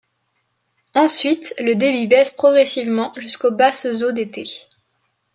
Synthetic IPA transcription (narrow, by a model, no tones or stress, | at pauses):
ɑ̃sɥit̪ləd̪ebibɛspχɔɡʁɛsivmɑ̃ʒyskobaszod̪et̪e